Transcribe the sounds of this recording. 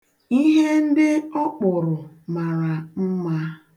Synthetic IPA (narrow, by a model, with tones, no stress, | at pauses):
i˦ɦe˦n̩˦dɪ˦ɔ˦k͡pʊ˨ɾʊ˨ | ma˨ɾa˨m̩˦ma˦